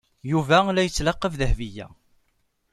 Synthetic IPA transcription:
juvælæjət͡sːlɑqːəvðəhvijæ̰

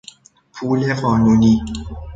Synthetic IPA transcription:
pʰuːleɢɒːnuːniː

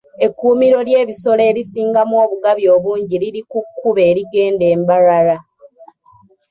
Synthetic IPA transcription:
e̞kːuːmiɾo̞lje̞ːβiso̞le̞ːɾisiːŋɡamwo̞ːβuɡaβjo̞ːβuːɲɟiliɾikukːuβe̞ːɾiɡe̞ːnde̞ːmbaɾaɾa

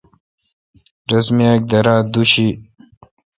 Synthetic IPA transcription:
ɾɐsmiak̚d̪ɐɾaːd̪uɕi

